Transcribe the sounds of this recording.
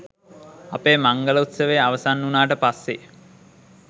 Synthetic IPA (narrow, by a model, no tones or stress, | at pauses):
apeːmaŋɡələut̪səʋeaʋəsanːunaːʈəpasːe